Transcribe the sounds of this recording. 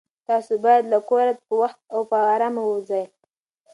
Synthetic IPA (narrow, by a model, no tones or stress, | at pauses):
t̪ɑsobɑjad̪lakoɾat̪pəwaxt̪̚awpəaɾamawozaj